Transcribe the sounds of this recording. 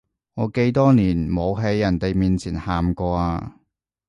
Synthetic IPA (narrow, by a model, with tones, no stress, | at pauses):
ŋɔː˨˧ke˧jt̪ɔː˥niː˨˩nmo˨˧wɦe˨˥jːɐ˨˩nt̪e˨jmiː˨nt͡sʰiː˨˩nhaː˨mkɔː˧aː˧